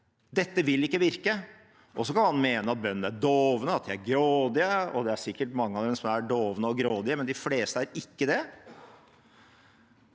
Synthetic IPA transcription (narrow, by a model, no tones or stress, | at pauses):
d̪ɛt̪ːəʋɪlːɪkːəʋɪɾkə | ʔɔs̬ɔkʰɑnhɑnmeːnəɑt̪̚bœnːən̩æɖoːʋənəɑt̪̚d̪ɪæɾɡɾoːd̪ɪəɔd̪ɛæʂɪkːəʈmɑŋːəɑʋd̪ɛmsɔmæɖoːʋənəɔɡɾoːd̪ɪəmɛnd̪ɪfleːst̪əæɾɪkːəd̪ɛ